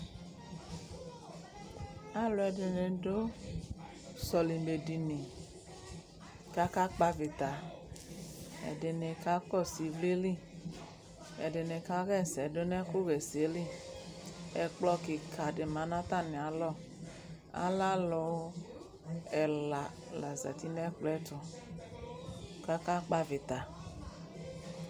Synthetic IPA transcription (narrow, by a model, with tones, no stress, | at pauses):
a˦lʊ˧ɛ˨dɪ˨ne˨do˦ | sɔ˨li˨mbe˨di˨ni˨ | ka˦ka˦k͡pa˧vi˨t̪a˨ | ɛ̰˨de˨ne˨ka˦kɔ˦˨si˨˦vli˦li˦˨ | ɛ̰˨de˨ne˨ka˦ɣɛ˦˨sɛ˨do˦nɛ˦ko˦ɣɛ˨se˨˦li˦˨ | ɛ˨k͡plɔ˧kɪ˨kʰa˨dɪ˨ma˨˦nã˦t̪a˦˨nɪ˨a˨lɔ˦˨ | a̰˦la˦lɔ˧w | ɛ˨la˨ | la˨za̰˨ti˦nɛ˦k͡plɔ˦ɛ˦tɔ˨ | ka˦ka˦k͡pa˦vɪ˨t̪a˨